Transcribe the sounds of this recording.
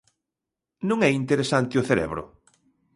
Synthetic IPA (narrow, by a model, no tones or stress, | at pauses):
nũŋɛint̪eɾesant̪ɪoθeɾɛ̰βɾʊ̰